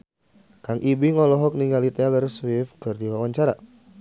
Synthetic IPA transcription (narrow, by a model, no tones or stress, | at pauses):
kaŋʔibiŋɔlɔɦɔk̚niŋɡalit̪ɛlərswɪfkɨrdiwawaɲt͡ʃaɾa̰